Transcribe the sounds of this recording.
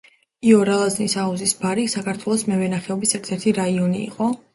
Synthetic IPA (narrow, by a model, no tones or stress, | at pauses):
iɔɾalˠaznisauzisbaɾisakʰaɾt̪ʰwɛlˠɔsmɛvɛnaχɛɔbisɛɾt̪ʰɛɾt̪ʰiɾaiɔnḭːqʼɔ